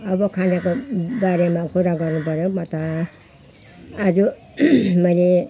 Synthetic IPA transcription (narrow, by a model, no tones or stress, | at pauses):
ʌbʌkʰanakobaɾemakuɾaɡʌrnupʌɾjomʌt̪ʌ | d͡zu | mʌjle